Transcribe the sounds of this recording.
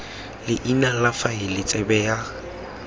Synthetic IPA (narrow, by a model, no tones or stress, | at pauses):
lɪʔinalafaɪlɪt͡sʼɛbɛja